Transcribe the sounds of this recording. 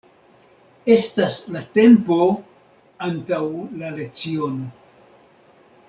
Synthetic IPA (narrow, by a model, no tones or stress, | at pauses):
e̞staslate̞mpo̞ | antawlale̞kt͡sio̞no